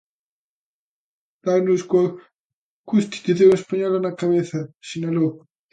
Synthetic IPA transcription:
d̪̥anuskwa | kust̪i̥t̪uðeɾespaɲolanakaβeθasenalo

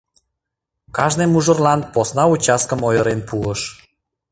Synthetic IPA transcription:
kɑʒnemuʒə̆rlɑnposnɑut͡ɕɑskəmojəɾenpuəʃ

